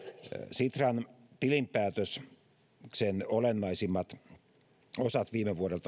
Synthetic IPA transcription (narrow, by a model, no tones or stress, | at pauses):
sit̪rɑn | t̪ilimpæːt̪øs | ksenolenːɑisimːɑt̪ | osɑt̪ʋiːmeʋuoɾelt̪ɑ